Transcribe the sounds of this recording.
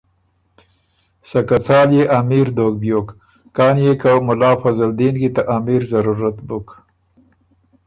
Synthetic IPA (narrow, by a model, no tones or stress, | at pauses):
sakat͡sɑːljeʔamiɾd̪oːk̚bjoːkː | ɑːnjekawmʊlɑːfazald̪inɡit̪aʔamiɾzaɾuɾat̪bʊk